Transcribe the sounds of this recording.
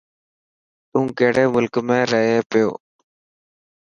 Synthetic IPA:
t̪ũːkeːɽeːmʊlkmẽːɾəɦeːpɪjo̰ː

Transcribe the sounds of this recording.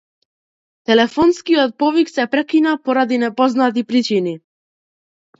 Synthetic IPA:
t̪ɛlɛfɔnskiɔt̪̚pɔviksɛpɾɛkinapɔɾad̪inɛpɔznat̪̬ipɾit͡ʃini

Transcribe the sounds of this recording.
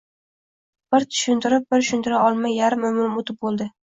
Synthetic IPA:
b̥ɪɾt̪ʰʊ̥ʃʊnt̪ʰɪɾɪp̚bɪɾʃʊnt̪ʰɪɾaɒlˠmajːaɾɪmːʊmɾɪmot̪ʰɪp̚bolˠd̪ɪ

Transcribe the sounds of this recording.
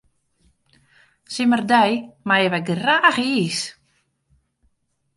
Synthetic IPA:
sɪmərdɛjmajəʋɛɡraːxiːs

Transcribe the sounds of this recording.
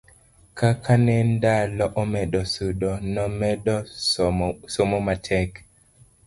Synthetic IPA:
kakʰanɛndalɔʔɔmɛɗɔsuɗɔnɔmɛɗɔ | sɔmɔmatʰɛk

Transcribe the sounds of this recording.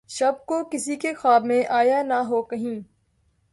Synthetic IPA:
ʃɐb̚kokɪsikexaːbmẽʔaːjanaɦoːkɐɦĩː

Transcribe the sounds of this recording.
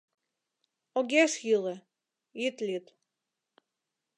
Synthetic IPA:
oɡʲeʃjilə̆ | it̪lʲit̪

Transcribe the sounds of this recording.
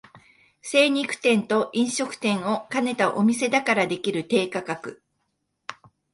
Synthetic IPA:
se̞ːɲ̟ikɯ̟̥t̪ẽ̞nt̪o̞ʔĩɰ̃ɕo̞kɯ̟̥t̪ẽ̞ɰ̃o̞kane̞t̪aʔo̞mʲise̞d̪akaɾad̪e̞kʲiɾɯ̟t̪e̞ːkakakɯ̟

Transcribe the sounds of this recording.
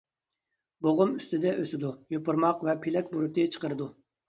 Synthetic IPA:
boʁʊmyst̪ɪd̪ɛʔøsɪd̪ujopʊɾmɑqvɛpʰelɛkʲbuɾʊt̪ʰɨt͡ʃʰə̥qəɾɨd̪u

